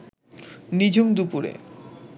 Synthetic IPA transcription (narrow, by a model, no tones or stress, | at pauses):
nid͡ʑʱumd̪upuɾḛ